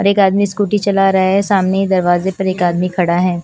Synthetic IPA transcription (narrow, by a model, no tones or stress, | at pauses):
ɔɾeːkaːd̪miskuːʈit͡ʃɐlaɾɐɦaɦɛsaːmneɦid̪ɐɾʋaːzepɐɾeːkaːd̪mikʰɐɽaɦɛː